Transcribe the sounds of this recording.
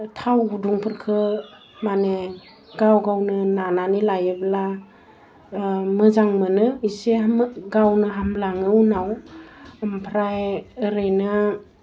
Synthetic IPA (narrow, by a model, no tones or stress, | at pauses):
tʰawɡuduŋpʰɯɾkʰɯ | mane | ɡawɡawnɯnananilajɯbla | mɯzaŋmɯnɯiseɡawnɯɦamblaŋɯwnaw | mpʰɾajɯɾɯnɯ